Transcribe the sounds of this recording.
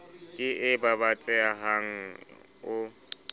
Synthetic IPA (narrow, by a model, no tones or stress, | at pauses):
kʼɪʔɪbabat͡sʼɛaɦaŋ̩ | ʊ